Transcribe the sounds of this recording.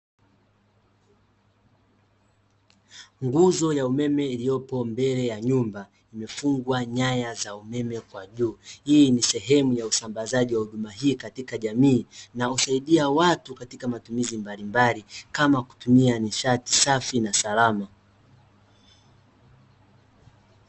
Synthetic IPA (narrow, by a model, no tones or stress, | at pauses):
ŋɡuzɔjaumɛmɛilijɔpɔmbɛlɛjaɲumba | imɛfuŋɡwaɲajazaumɛmɛkwaʄuːhiːnisɛɦɛmujausambazaʄiwahuɗumaɦiːkatikaʄamiːnausaiɗiawatukatikamatumizimbalimbalikamaku̥tumianiʃati̥safinasalama